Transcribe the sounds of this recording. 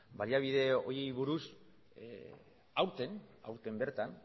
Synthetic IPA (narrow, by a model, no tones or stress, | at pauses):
baliaβ̞iðe̞o̞jejβuɾus | awɾt̪e̞na̰wɾt̪e̞mbe̞ɾt̪an